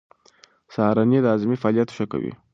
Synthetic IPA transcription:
sɑhɾɑnilɑzimifɑɑlijat̪ʃəka̰wḭ

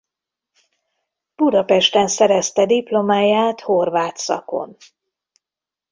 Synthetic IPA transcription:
b̥ud̪ɒpɛʃt̪ɛnsɛɾɛst̪ɛd̪iplo̞maːjaːt̪ho̞rvaːt̪sɒ̰ko̞̰n

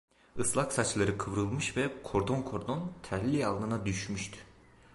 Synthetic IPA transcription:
ɯslˠaksat͡ʃlˠaɾɯkʰɯvɾɯlˠmɯʃvɛkʰo̞ɾd̪o̞nkʰo̞ɾd̪o̞nt̪ʰɛɾlʲːialˠd̪ɯnad̪yʃmyʃt̪ʰy̥

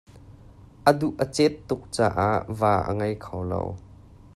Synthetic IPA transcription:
ʔəd̪uʔət͡sɛt̪ːʊk̚t͡saːʔaʔvaːʔə̰ŋɐjkʰɐwlo̰w

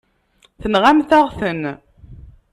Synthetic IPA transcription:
θənʁamθæʁθən

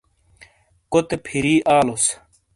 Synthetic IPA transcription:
kot̪epʰiɾiːʔaːlos

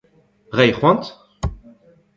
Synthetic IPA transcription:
ʁɛjχwɑ̃nt̪

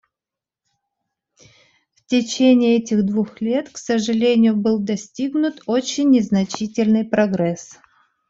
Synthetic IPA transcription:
ftʲɪt͡ɕenʲɪːɛtʲɪɣd̪vuxlʲe̞t̪ksəʐɨlʲenʲɪjʊbɨlˠd̪ɐsʲtʲiɡnʊt̪ot͡ɕːɪnʲːɪznɐt͡ɕitʲɪlʲnɨjpɾɐɡɾɛs

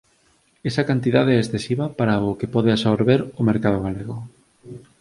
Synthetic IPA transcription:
esɐkant̪iðaðeɛesθesiβɐpaɾaʊkepɔðeasoɾβeɾʊmeɾkað̞ʊɣaleɣʊ

